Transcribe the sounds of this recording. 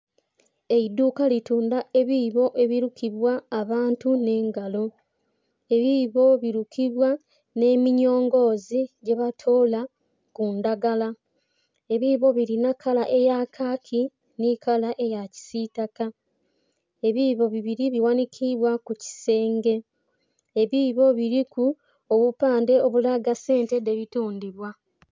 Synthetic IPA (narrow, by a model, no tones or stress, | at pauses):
e̞iduːkalituːndae̞βiːβo̞ʔe̞βiɾukʰiβwaːβaːntune̞ːŋɡalo̞ | e̞βiβo̞βiɾukʰiβwa | ne̞ːmiɲo̞ːŋɡo̞ːziɟe̞βatʰo̞ːla | kundaɡala | e̞βiβo̞βiɾinakʰalaʔe̞jakʰakʰi | nikalaʔe̞jaci̥sitaka | eβiβo̞βiβiɾiβiwanikʰiβwakuci̥se̞ːŋɡe̞ | eβiːβo̞βiɾiku | oβupaːnde̞o̞βulaɡase̞ːntedeβituːndiβwa